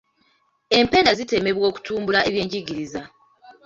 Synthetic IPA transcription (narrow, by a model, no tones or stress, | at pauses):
e̞mpe̞ːndazite̞me̞βwo̞ːku̥tʰuːmbulaʔeβje̞ːɲɟiɡiɾiza